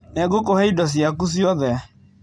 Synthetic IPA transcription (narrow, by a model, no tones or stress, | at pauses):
nɛɡokohɛidɔs̬jakus̬jɔðɛ